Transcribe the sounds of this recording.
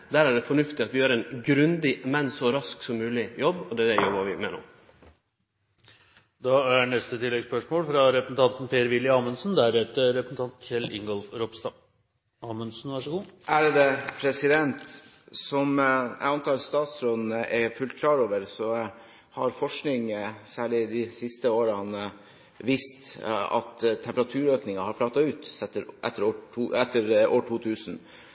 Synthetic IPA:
d̪æːɾæɖɛfɔɳʉft̪ɪɑt̪ʋɪjøːɾɛnɡɾʉnd̪ɪmɛnsɔɾɑsksɔmːʉːlɪjɔbːɔd̪ɛæd̪ɛjɔbʋɑʋɪ̰mɛ̰no̰ | d̪ɑæɳɛst̪ət̪ʰɪlːɛɡspœʂmoːlfɾɑɾɛpɾəsn̩t̪ɑnt̪n̩pʰeːəɾʋɪljəɑːmənsnd̪æɾheːt̪əɾɛpɾəsn̩t̪ʰɑnt̪ʰɪlɪŋɡɔlfɾɔbst̪ɑ | ɑːmənsn̩ʋæʂəɡuːʔæɾd̪ɛpʰɾɛsɪd̪ɛnt̪ | sɔmæ̰ɪɑnt̪ɑːɾst̪ɑːt̪sɾɔd̪n̩əʔɛfʉlt̪̚kʰlɑːɾoːʋəɾsɔ | hɑɾfɔʂknɪŋsæːɭɪd̪ɪsɪst̪əoːɾɑnə | ʋiːst̪ɑ̰t̪ʰːɛmpəɾɑt̪ʰʉːɾøːknɪŋɑhɑɾpʰlɑːt̪ɑʉːt̪ɛt̪ːəɾʔɛ̰t̪ːəɾoːʈuːɛt̪ːəɾo̰ːʈʰuːt̪ʰʉːsn

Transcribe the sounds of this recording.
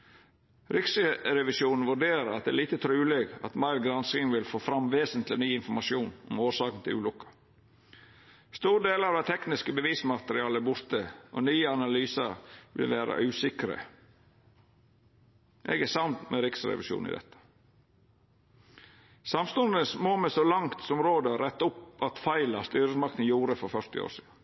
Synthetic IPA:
ɾɪksəɾɛʋɪsuːnn̩ʋʉɖeːɾəɑt̪̚d̪ɛːliːt̪ət̪ʰɾʉːlɛɡɑ̰t̪mɑɪlɡɾɑnskɪŋʋɪlfoːfɾɑmʋeːsənt̪lɪnyːɪnfɔmɑʃuːnɔmoːʂɑːkən̩t̪ʰɪlʉ̰ːlʊkːɑ̥ | st̪uːɾɖ̪eːlɑʋd̪æt̪ʰɛknɪskəbəʋiːsmɑt̪əɾɪɑːləbʊɾt̪əʔo̰nyːəɑnɑlyːsɑ̰ɾʋɪ̰lʋæːɾɑ̰ʔʉːsɪkɾə̰ | ʔɛ̰ɡæsɑnt̪mɛɾɪksɾɛ̰ʋɪʃjṵːnɪ̰d̪ɛ̰t̪ʰːə̥ | sɑmst̪ʊnd̪əəsmoːmɛsɔlɑŋt̪sɔmɾoːd̪əɾɛt̪ːʊpɑt̪fɑɪlɑst̪yːɾəsmɑkt̪ən̩juːɾəfɔɾfœɾt̪ɪ̰o̰ːʂḭːd̪n

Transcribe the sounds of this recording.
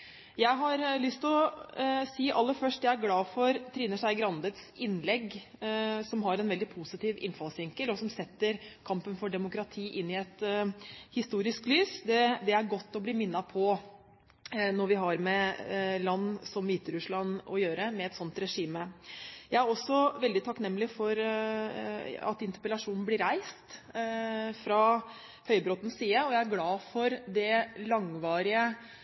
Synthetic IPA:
jæɪɦɑɾlʏst̪ɔ | siːʔɑlːəɾfœʂʈjæɪæɾɡlɑːfɔɾt̪ʰɾiːnəʂæɪɡɾɑnd̪ət̪sɪnlɛɡ | sɔmɦɑɾɛnʋɛld̪ɪpʰusɪt̪ʰiːʋɪ̰nfɑlsʋɪŋkəlɔsɔmsɛt̪ːəɾkʰɑmpənfɔɖɛmʊkɾɑt̪ʰiːʔɪnːɪɛt̪ | hɪst̪uːɾɪsklyːsd̪ɛd̪ɛæɾɡɔt̪ːɔbliːmɪnːɑpʰɔ | nɔɾʋɪɦɑɾmɛlɑnːsɔmʋiːt̪əɾʉʂlɑnːɔjøːɾəmɛɛt̪sɔnt̪ɾɛʂiːməjæɪæɾɔsːɔʋɛld̪ɪt̪ʰɑknɛmːlɪfɔɾ | ɑ̰t̪ɪnt̪əpəlɑʂuːnn̩blɪɾæɪst̪ | fɾɑ | hœʏbɾɔt̪n̩siːəɔjæɪæɾɡlɑːfɔɾd̪ɛlɑŋʋɑːɾɪə

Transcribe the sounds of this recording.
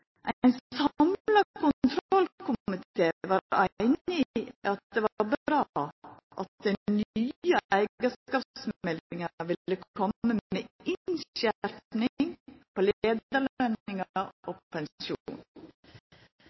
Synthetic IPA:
ʔæɪnsɑmlɑkʰʊnt̪ʰɾɔlkʰʊmɪt̪eːʋɑːɾæɪnɪʔɑt̪̚d̪eːʋɑɾbɾɑːʔɑt̪̚d̪ɛnyːəæɪɡəskɑːpsmɛlɪŋəʋɪlːəkʰɔmːəmeːɪnɕæɾpnɪŋpʰoleːd̪əlœnɪŋəɾʔoːpʰɛnsuːn

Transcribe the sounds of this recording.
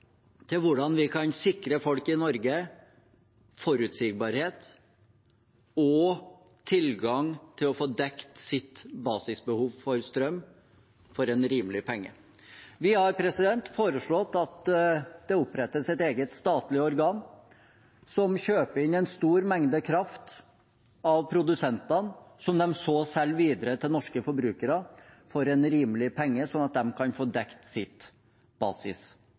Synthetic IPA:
t̪ʰɪlʋʊɖɑnʋɪkʰɑnsɪkɾəfɔlkɪnɔɾɡə | fɔɾʉːt̪sɪɡ̚bɑɾheːt̪ | ɔ | t̪ʰɪlɡɑŋt̪ʰɪlɔfoːd̪ɛkt̪sɪt̪bɑːsɪsbəhuːʋfɔɾst̪ɾœmː | fɔɾɛnɾiːməlɪpʰɛŋːə̰ | ʋɪhɑɾpʰɾɛsɪd̪ɛnt̪foːɾəʂɭɔt̪ːɑt̪d̪̥ɛʊpːɾɛt̪ːəsɛt̪eːɡət̪st̪ɑːt̪lɪəɔɾɡɑːn | sɔmɕøːpəɾɪnːɛnst̪uːɾmɛŋd̪əkʰɾɑft̪ | ɑʋpʰɾʊd̪ʉsɛnt̪ɑnsɔmd̪ɛmsoːsɛlːʋiːd̪əɾət̪ʰɪlnɔʂkəfɔɾbɾʉːkəɾəfɔɾɛnɾiːmlɪpʰɛŋːəsɔnɑt̪̚d̪ɛmkʰɑnfoːd̪ɛkt̪sɪt̪ | b̥ɑ̰ːsɪ̰s

